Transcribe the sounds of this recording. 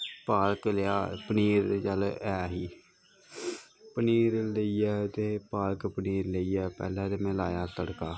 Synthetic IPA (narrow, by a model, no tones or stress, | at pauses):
paːlkleaːpəniːɾd͡ʒəlɛːɦiː | pəniːɾləiːɛːt̪eːpaːlkpəniːɾləiːɛːpɛ̰ːlãːd̪eːmẽːlaːjaːt̪əɽkaː